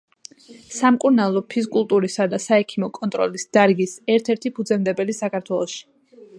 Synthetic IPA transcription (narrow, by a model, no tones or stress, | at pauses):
samkʼuɾnalˠɔpʰis̬kʼulˠt̪ʼuɾisad̪asaɛkʰimɔkʼɔnt̪ʼɾɔ̰lisd̪̥aɾɡisɛɾt̪ʰɛɾt̪ʰipʰud̪zɛmd̪ɛbɛlisakaɾt̪ʰwɛlˠɔʃi̥